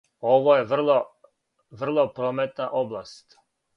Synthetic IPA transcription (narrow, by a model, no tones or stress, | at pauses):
oʋojeʋr̩lˠo | ʋr̩lˠopɾomet̪naʔoblˠast̪